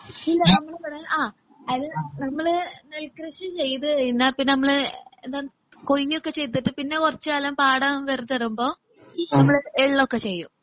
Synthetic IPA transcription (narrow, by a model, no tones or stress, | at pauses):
ilːɐnɐmːɐɭpɐɽɐʔaː | ɐðilnɐmːɐɭɨnelkrɐɕɨt͡ɕe̞jt̪ɨɐinːaːpinnɐmːɐɭɨend̪aː | kojːiokːet͡ɕe̞jt̪̬ːɨʈːɨpinːekurɐt͡ɕːɨaːlɐmpaːɽɐmʋerut̪ːɐɽumbo̞ː | nɐmːɐɭeɭːokːet͡ɕe̞jːum